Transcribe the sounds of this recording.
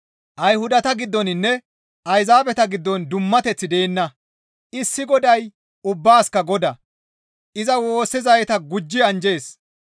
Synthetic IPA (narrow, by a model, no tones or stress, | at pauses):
ʔɐjhʊd̪ɐt̪ɐɡɪd̪ːɔnɪnːɛ | ʔɐjzaːbɛt̪ɐɡɪd̪ːɔnd̪ʊmːɐt̪ɛt͡sːɪd̪eːnːɐ | ʔɪsːɪɡɔd̪ɐj | ʊbːaːskɐɡɔd̪ɐ | ʔɪzɐwo̞ːsːɛzɐjɛt̪ɐɡʊd͡ʒːɪɐnd͡ʒe̞ːs